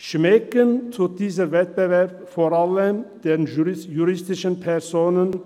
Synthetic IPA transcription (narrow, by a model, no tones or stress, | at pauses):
ʃmɛkənt̪ʰuːt̪̚d̪iːs̬əɾvɛt̪̚bəvɛɾpfɔɾɑlːəmd̪̥ɛnjuɾɪst̪ɪʃənpʰɛɾsoːnən